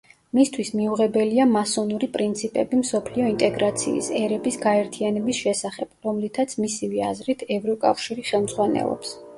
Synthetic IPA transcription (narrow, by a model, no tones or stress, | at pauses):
mist̪ʰwismiuʁɛbɛliamasɔnuɾipʼɾint̪sʰipʼɛbimsɔpʰliɔint̪ʼɛɡɾat̪sʰḭːsɛɾɛbisɡaɛɾt̪ʰianɛbisʃɛsaχɛb̥ɾɔmlit̪ʰat̪sʰmisiviazɾit̪ʰɛvɾɔkʼa̰fʃiɾiχɛlˠmz̥ʁwanɛ̰lˠɔ̰ps